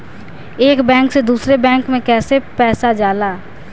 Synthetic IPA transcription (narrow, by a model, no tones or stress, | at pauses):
eːkbɛ̃ːŋksed̪uːsɾebɛ̃ːŋkmẽkɛːsepɛːsad͡ʒaːlaː